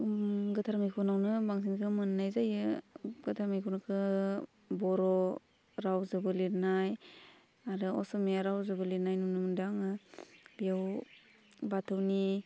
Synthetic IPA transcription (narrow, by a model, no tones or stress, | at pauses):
ɡɯtʰaɾmajkʰunawnɯbaŋsinkʰɯmɯnːajzajɯɡɯtʰaɾmajkʰunɯkʰɯ | bɔɾɔ | ɾawzɯbɯliɾnaj | aɾɯɔsɔmeaɾawzɯbɯliɾnajnunɯmɯndaŋɯbijaw | batʰɯwni